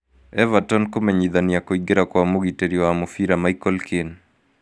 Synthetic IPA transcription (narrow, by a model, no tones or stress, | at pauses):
ɛvatɔnkomɛɲiðaniakoiɡeɾakwamuɡiteɾiwaamofiɾamaikɔlkin